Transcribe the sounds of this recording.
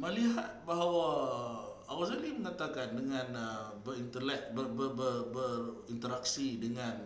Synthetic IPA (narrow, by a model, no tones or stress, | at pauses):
məliɦɦat̪̚baɦawa | awazaliməŋat̪akandəŋãnəbərint̪əlɛk̚bəbəbərbər | int̪əɾaksidəŋan